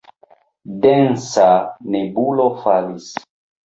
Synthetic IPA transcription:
dɛnsanebulofalis

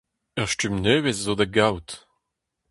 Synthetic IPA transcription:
œʁʃtymnøːveszod̪aɡawt

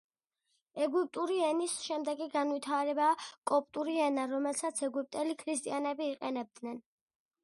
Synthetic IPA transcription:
ɛɡip̚ʼt̪ʼuɾiɛnisʃɛmd̪ɛɡiɡanwit̪ʰaɾɛbakʼɔpʼt̪ʼuɾiɛnaɾɔmɛlsat̪sʰɛɡup̚ʼt̪ʼɛlikʰɾist̪ʼianɛbiːqʼɛnɛb̚d̪̥nɛn

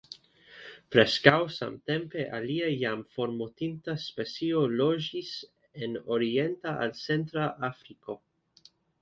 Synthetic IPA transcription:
pɾe̞skawsa̰mte̞mpe̞ʔaliajamfo̞ɾmotintaspe̞t͡sio̞lo̞d͡ʒis | enoɾie̞ntaʔa̰lt͡se̞ntɾaʔafɾiko̞

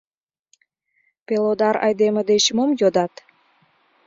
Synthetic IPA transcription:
pelod̪ɑɾɑ̰jd̪eməd̪et͡ɕmomjod̪ɑt̪

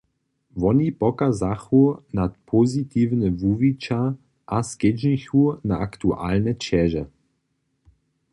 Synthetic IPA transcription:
ʋɔnipɔkazaxunat̪̚pʰɔzit̪iːwnɛvuvit͡ʃa | ʔasked͡ʒnixunaakt̪uʔa̰lnɛt͡ʃɛʒɛ

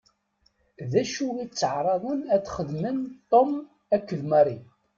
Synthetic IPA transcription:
ðæʃuit͡sːəʕɾˤɑðˤənæt͡sːχəd̪mənt̪ˤːom | ækːəðmæɾˤi

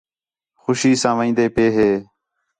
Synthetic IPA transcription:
xʊʃiːsãːʋĩːnd̪eːpeːɦeː

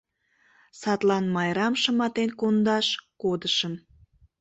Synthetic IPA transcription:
sɑt̪lɑnmɑjɾɑmʃəmɑt̪enkond̪ɑʃkod̪əʃəm

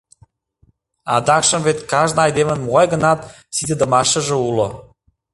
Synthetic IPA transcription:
ɑ̰d̪ɑkʃə̆mvet̪kɑʒnɤ̆ɑjd̪emə̆nmuɣɑjɣə̆nɑt̪ | sid̪ed̪ə̆mɑʃə̆ʒĕulo

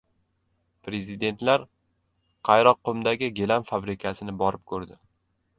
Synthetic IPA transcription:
pʰɾe̞zid̪e̞nt̪ʰlaɾ | qʰɑjɾɒqːʊmd̪aɡʲɪɡʲelamfabɾɪkʲʰasɪnɪbɒɾɪp̚kʰɵɾd̪ɪ

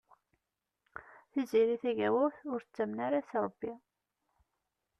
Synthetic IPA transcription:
θiziɾiθæʝæwʊθʊɾθə̥t͡sːæmnaɾasɾˤəbːi

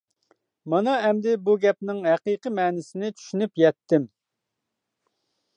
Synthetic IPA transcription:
mɑnɑɛmd̪ɪbuɡʲɛp̚nɪŋɦɛqijqəmɛːnɪsɪnɪt͡ʃʰy̥ʃynypjɛt̪ʰːɪm

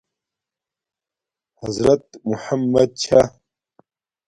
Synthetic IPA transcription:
hɐzɾɐt̪muħamːɐd̪̚t͡ɕʰa

